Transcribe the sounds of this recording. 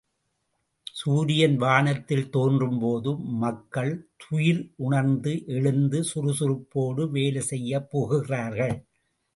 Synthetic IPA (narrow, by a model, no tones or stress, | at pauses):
suːɾɪjɐnʋaːɳɐt̪ːɪlt̪oːndrɯmpoːðɯmɐkːɐɭt̪ʰʊjɪlʊɳɐɾnd̪ɯʔɛɻɯnd̪ɯsʊɾʊsʊɾɯpːoːɽɯʋeːlesɛjːɐpːoːɣɯɣɪraːɾɣɐɭ